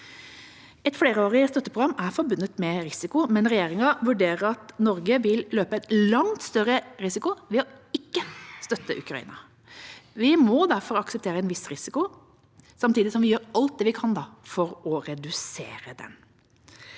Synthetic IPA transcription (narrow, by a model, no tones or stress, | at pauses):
ɛt̪fleːɾəoːɾɪəst̪œt̪ːəpʰʁʊɡɾɑmːæɾfɔɾbʉnːət̪mɛɾɪsɪkʊmɛnɾɛjeːɾɪŋɑʋʉɖeːɾəɾɑt̪nɔɾɡəʋɪlløːpəæɛt̪lɑŋt̪st̪œɾəɾɪsɪkʊʋɛɔɪkːəst̪œt̪ːəʔʉ̰kɾɑḭːnɑ | ʋɪmɔd̪æɾfɔɾɑksəp̚t̪ʰeːɾəɛnʋɪsɾɪsɪkʊ | sɑmt̪iːd̪ɪsɔmʋɪjøːɾɑlt̪̚d̪ɛːʋɪkʰɑnd̪ɑfɔɾɔɾɛd̪ʉsḛːɾəd̪ɛ̰n